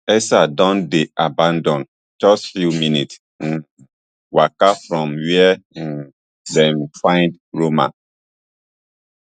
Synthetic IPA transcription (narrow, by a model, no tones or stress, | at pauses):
ɛsadɔ̃ndeʔabãndɔ̃n | t͡ʃɔsfjuminit̩ | wakafɾɔ̃mwiɛ̃ | dɛ̃nfãɪ̃nd | ɹomã̰